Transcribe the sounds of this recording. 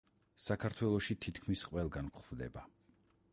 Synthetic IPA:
sakʰaɾt̪ʰwɛlˠɔʃit̪ʰit̪ʰkʰmisqʼwɛlˠɡankχvd̪ɛ̰ba

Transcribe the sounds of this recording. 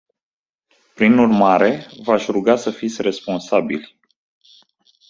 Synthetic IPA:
pɾinurmaɾe̞vaʃʲruɡasəfit̪sʲre̞spo̞nsabḭlʲ

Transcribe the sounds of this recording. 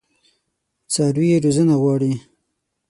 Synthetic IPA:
t͡sɑːɾwieɾuzənaɣwɑːɽi

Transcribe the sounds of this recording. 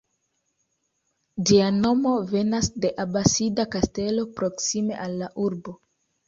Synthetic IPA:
d͡ʒiano̞mo̞ve̞nasde̞ʔabasidakaste̞lo̞pɾo̞ksime̞̰ʔalːaʔuɾbo̞

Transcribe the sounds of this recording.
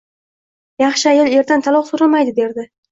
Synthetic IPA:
jɑχʃɪajɒlˠe̞ɾd̪ant̪ʰalˠɒχsoɾamajd̪ɪb̪e̞ɾd̪ɪ

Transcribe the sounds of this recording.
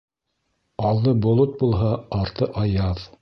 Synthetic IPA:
ɑlˠd̪ɤbŏlˠot̪̚bulˠɦɑɑɾt̪ɤʔɑjɑð

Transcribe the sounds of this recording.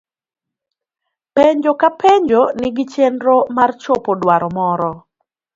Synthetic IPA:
peɲd͡ʒokapʰeɲd͡ʒonɪɡɪt͡ʃendɾomart͡ʃopodwaɾɔmɔɾɔ

